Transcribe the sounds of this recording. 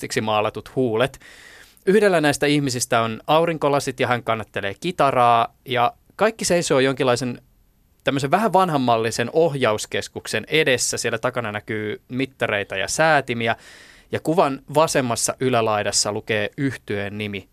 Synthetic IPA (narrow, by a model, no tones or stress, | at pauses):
iksimɑːlɑt̪ut̪huːlet̪ | yhdelːænæist̪æihmisist̪æonɑuɾiŋkolɑsit̪jɑɦæŋkɑnːɑt̪ːeleːkit̪ɑrɑːjɑ | kɑikːiseiso̞ːjoŋkilːˑɑisen | t̪æmːøs̬eʋʋæɦæʋʋɑnɦɑmːɑlːisenoɦjɑuskeskuksenedesːæsielːæt̪ɑkɑnɑnækyːmit̪ːɑreit̪ɑjɑ̰sæːt̪imiæjɑkuʋɑnʋɑsemːɑsːɑʔylælɑidɑsːɑlukeːyht̪yeːnnimi